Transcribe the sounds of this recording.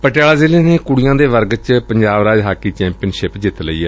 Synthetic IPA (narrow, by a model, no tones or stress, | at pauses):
pəʈjaːlaːzɪleːneːkʊɽɪjãːd̪eːʋəɾɡt͡ʃpəɲd͡ʒaːbɾaːd͡ʒɦaːkːiːt͡ʃɛ̃ːmpɪənʃɪpd͡ʒɪt̪ləḭːɛː